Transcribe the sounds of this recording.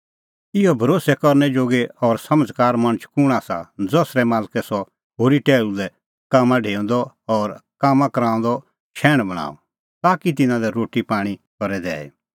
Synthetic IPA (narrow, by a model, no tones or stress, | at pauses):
ɪɔbʱɐɾoːsɛkɔɾnɛd͡ʒoːɡeɔːɾsɐməd͡zkaːɾmɐ̃t͡ʃʰkʊɽ̃asa̰d͡zɔsɾɛmaːlkɛsɔ | ɦoːɾiʈɛːlulɛ | kaːmãɖʱeːɔ̃nd̪ɔ | ɔːɾkaːmãkɐɾãːʊ̃nd̪ɔ | ʃʰɛːɽ̃bɐɽ̃a̰ːɔ̰ | t̪aːkit̪̬ɪnãlɛɾoːʈipaːɽ̃ikɔɾɛd̪ɛ̰ːḛ